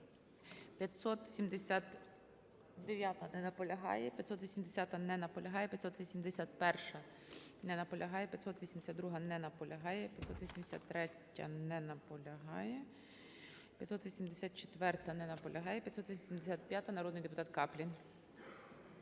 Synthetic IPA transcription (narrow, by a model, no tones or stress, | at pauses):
pʲjɐt̪ʲsɔt̪sʲimd̪esʲat̪ | d̪eʋʲjat̪ɐnɛnɐpɔlʲɐɦɑ̰jɛpʲjɐt̪sɔt̪ʋʲisʲimd̪esʲat̪ɐnɛnɐpɔlʲɐɦɑjɛpʲjɐt̪sɔt̪ʋʲisʲimd̪esʲat̪pɛrʃɐ | nɛnɐpɔlʲɐɦɑjɛpʲjɐt̪sɔt̪ʋʲisʲimd̪esʲad̪ɾuɦɐnɛnɐpɔlʲʔɐɦɑjɛpʲjɐt̪sɔt̪ʋʲisʲimd̪esʲa̰t̪ːɾɛtʲːɐ̰nɛnɐpɔlʲɐɦɑjɛ | pʲjɐt̪sɔt̪ʋʲisʲimd̪esʲat̪̚t͡ʃe̥t̪ʋɛrt̪ɐnɛnɐpɔlʲʔɐɦɑjɛpʲjɐt̪sɔt̪ʋʲisʲimd̪esʲat̪̚pʲjat̪ɐnɐɾɔd̪nɪjd̪epʊt̪ɑt̪kɑplʲin